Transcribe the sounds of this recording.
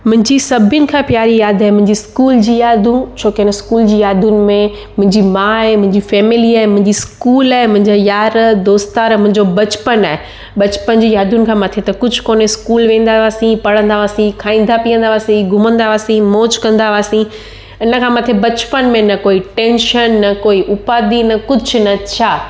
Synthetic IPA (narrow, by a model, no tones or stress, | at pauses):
mʊ̃ɦɪ̃ɲd͡ʑisɐbʱjʊnɪ̆kʰãpjaːɾijaːd̪ʱaːɦemʊ̃ɦɪ̃ɲd͡ʑiskuːld͡ʑiːjaːd̪ʱũt͡ɕʰoːkeɪnəskuːld͡ʑiːjaːd̪ʱʊnɪ̆mẽ | mʊ̃ɦɪ̃ɲd͡ʑimãːɦemʊ̃ɦɪ̃ɲd͡ʑifɛːmɪliaːɦemʊ̃ɦɪ̃ɲd͡ʑiskuːlaːɦemʊ̃ɦɪ̃ɲd͡ʑajaːɾd̪oːst̪aːɾmʊ̃ɦɪ̃ɲd͡ʑobɐt͡ɕpənaːɦe | ɓɐt͡ɕpənd͡ʑiːjaːd̪ʱʊnɪ̆kʰãːmat̪ʰet̪ɐkʊd͡ʑʱʊkoːneskuːlʋẽːn̆d̪aʋaːsĩpɐɽə̃nd̪aʋaːsĩkʰaːĩːn̆d̪apiə̃nd̪aʋaːsĩɡʱʊmə̃nd̪aʋaːsĩmoːt͡ɕkɐ̃nd̪aʋaːsĩ | ɪnəkʰãːmat̪ʰebɐt͡ɕpənmẽnɐkoːiʈẽːnʃənːɐkoːiʔʊpaːd̪inɐkʊd͡ʑʱʊnɐt͡ɕʰaː